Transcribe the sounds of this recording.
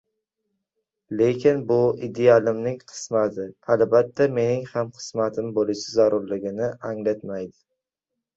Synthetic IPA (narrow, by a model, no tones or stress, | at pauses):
le̞kʲɪnbʊid̪ealɪmnɪŋqʰɨ̥smat̪ɪalbat̪ʰːame̞nɪŋhamqʰɨ̥smat̪ʰɪmbolɪʃazaɾʊɾlɪɡʲɪnɪaŋlat̪majd̪ɪ̥